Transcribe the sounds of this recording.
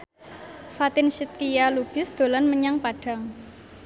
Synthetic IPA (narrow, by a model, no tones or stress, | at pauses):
fat̪ɪnʃit̪̚kijalub̥ɪ̤sd̪̥o̤lanməɲaŋpaɖ̥a̤ŋ